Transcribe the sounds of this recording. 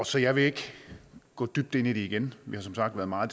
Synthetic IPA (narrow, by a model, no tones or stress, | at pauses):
ɒ̽sɒ̽jɑ̈ɪʋe̝e̝ɡ̥ | ɡ̥ɔ̰̽ːd̥yb̥̚d̥e̝nid̥eiɡ̥enʋihɑ̈sɒ̽msɑ̈ɡ̥d̥ʋæːɐðˠmɑ̈ːð̩ˠ